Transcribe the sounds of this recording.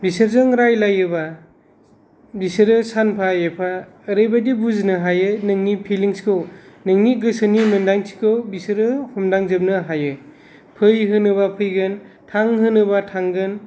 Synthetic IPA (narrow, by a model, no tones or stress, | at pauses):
bisɯɾzɯŋɾajlajɯba | bisɯɾɯsanpʰaepʰaː | ɾɯjbadibuznɯɦajɯnɯŋnipʰiliŋsi̥kʰɯwnɯŋniɡɯsɯnimɯndaŋsi̥kʰɯwbisɯɾɯhɔmdaŋzɯp̚nɯɦajɯ | pʰɯjɦɯnɯbapʰɯjɡɯn | tʰaŋɦɯnɯbatʰaŋɡɯn